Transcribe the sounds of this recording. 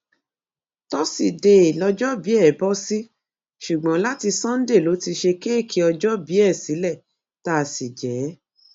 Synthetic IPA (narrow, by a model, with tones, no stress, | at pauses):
tɔ˦si˦˨de˨i˨lɔ˧d͡ʒɔ˦bi˨˦ɛ˦˨bɔ˦si˦ | ʃu˨ɡ͡bɔ̃˨˦la˦ti˧sɔ̃˦n̩˦de˦˨lo˨˦ti˧ʃe˧ke˦e˦˨kʰi˨˦ɔ˧d͡ʒɔ˦bi˨˦ɛ˦˨si˨˦lɛ˦˨ | ta˦˨si˨d͡ʒɛ˨˦